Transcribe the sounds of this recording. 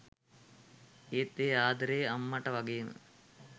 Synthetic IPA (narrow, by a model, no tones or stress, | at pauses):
eːt̪ːeːaːd̪ɐɾeːɐmːɐʈɐʋɐɡejm̰